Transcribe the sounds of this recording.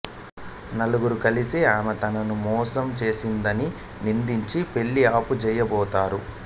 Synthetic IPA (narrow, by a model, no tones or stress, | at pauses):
nɐluɡuɾukɐlisiaːmɐt̪ɐnɐnumɔːsɐmt͡ʃe̞ːsind̪ɐni | nind̪iɲt͡ʃipe̞ɭːiaːput͡ʃɛjɐbɔːt̪aːɾu